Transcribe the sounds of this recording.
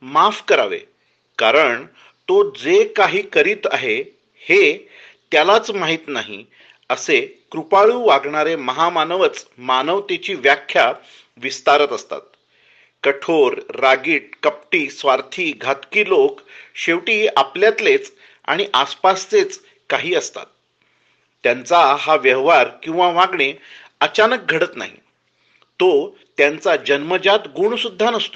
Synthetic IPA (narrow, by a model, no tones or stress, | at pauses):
mafkəɾa̰ʋḛ | kaɾəɳ | t̪od͡zekaɦiːkəɾiːt̪aɦe | he | t̪jalat͡smaɦiːt̪naɦḭ | əsekɾupaɭuːʋaɡɳaɾeməɦamanəʋət͡smanəʋt̪et͡ɕiːʋjakʰːja | ʋist̪aɾət̪əst̪a̰t̪̚ | kəʈʰoɾːaɡiːʈ̚kəp̚ʈiːsʋaɾt̪ʰiːɡʱat̪kiːlokɕeʋʈiːapljat̪let͡s | a̰ɽ̃iʔaspast͡set͡s | kaɦiːəst̪a̰t̪̚ː | jant͡saɦaʋjəɦʋaɾkĩw̃ʋaʋaɡɳe | ət͡ɕanək̚ɡʱəɽət̪na̰ɦḭ | t̪o | t̪jant͡sad͡ʑənməd͡ʑat̪ɡuɳsud̪ʱːanəst̪o